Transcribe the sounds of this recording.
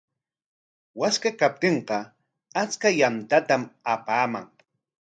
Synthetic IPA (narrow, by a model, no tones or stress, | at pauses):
waskakap̚t̪eɴqɑ | at͡skajant̪at̪amapaːmaŋ